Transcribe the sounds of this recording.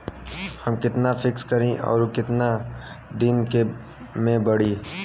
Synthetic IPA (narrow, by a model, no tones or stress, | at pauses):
hɐmkɪt̪nafʰɪkskɐɾẽʔɔ̰ːɾokɪt̪na | d̪ɪnke | mẽbɐɽiː